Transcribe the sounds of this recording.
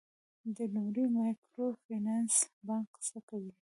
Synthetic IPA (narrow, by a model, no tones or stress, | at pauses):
d̪əlumɾimɑjkɾofinansbɑŋksakawi